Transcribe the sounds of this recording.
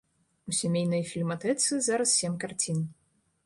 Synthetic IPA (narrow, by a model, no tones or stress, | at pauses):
usʲamʲejnɐjfʲilʲmat̪ɛt̪sɨzaɾɐssʲemʲkart͡sʲin